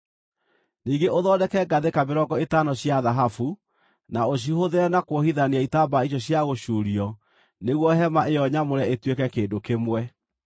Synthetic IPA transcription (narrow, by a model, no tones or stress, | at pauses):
niːŋɡeʔoðɔːdɛkɛɡaðekameɾɔɡɔetanɔɕjaðaɦafu | naoɕ̬ihoðeɾɛnakwohiðaniaitaːbaiɕ̬jɔɕjaɣoɕuːɾiɔ | neɣwɔɦɛmaʔeɔɲamoɾɛetwekɛkeːndokemwɛ